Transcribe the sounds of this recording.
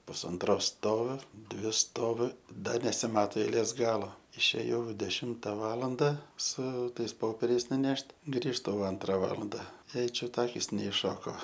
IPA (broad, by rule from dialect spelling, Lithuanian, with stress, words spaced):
pʊsɐnˈtroːs ˈstoːʋʲʊ ˈdʲʋʲɪ ˈstoːʋʲʊ ˈdɐ nʲɛsʲɪˈmɑːtoː ɛɪˈlʲeːs ˈɡɑːlˠoː ɪʃʲeːˈjɛʊ dʲɛˈʃʲɪmtɐ ˈʋɑːlˠɐndɐ sʊ ˈtɐɪs ˈpoːpʲɛrʲɛɪs nʊˈnʲɛʃʲtʲ ˈɡrʲiːʃtʊ jɛʊ ˈɐntrɐ ˈʋɑːlˠɐndɐ ˈjɛɪ ˈt͡ʃʲʊt ˈɑːkʲɪs nʲɛɪʃˈʃoːkoː